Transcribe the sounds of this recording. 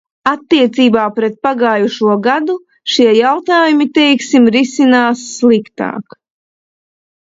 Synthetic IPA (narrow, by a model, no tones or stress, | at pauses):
at̪ːiɛt̪siːbaːpɾɛt̪̚paɡaːjuʃuɔɡad̪u | ʃiɛjawt̪aːjumit̪ɛjksimɾisinaːsːlˠikt̪a̰ːk